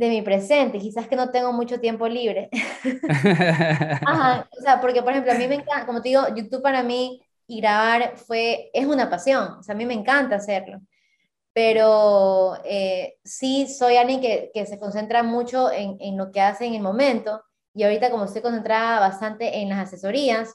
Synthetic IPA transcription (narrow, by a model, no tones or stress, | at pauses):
d̪e̞mipɾe̞se̞nt̪ekisaske̞no̞t̪e̞ŋɡo̞mut͡ʃot̪je̞mpo̞liβ̞ɾe̞ | ahaoseapo̞ɾkepoɾexe̞mplo̞amime̞ŋkakomot̪eðiɣo̞ʝut̪uβ̚paɾamiː | ɣɾaβaɾfwe̞esunapasjo̞ŋoseamime̞ːŋkant̪aːse̞ɾlo̞̰ | pe̞ɾo | esiso̞jalɡje̞ŋke̞ke̞se̞ko̞nse̞nt̪ɾamut͡ʃo̞eŋeŋlo̞ke̞ase̞ːŋe̞lmõ̞mẽ̞nt̪o̞ | iaoɾit̪ako̞most̪o̞jko̞nse̞nt̪ɾaðaβast̪ant̪e̞ʔenlasase̞so̞ɾias